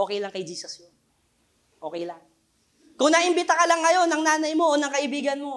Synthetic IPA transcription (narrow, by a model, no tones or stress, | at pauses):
oːkɛjlɐŋkɐjd͡ʒiːsɐsjon | ʔo̞ːkɛjlaŋ | kʊŋnɐʔɪmbɪt̪ɐkɐlɐŋːɐjo̞nːɐŋnaːnɐjmo̞ʔonɐŋkɐʔɪbiːɡɐnmo̞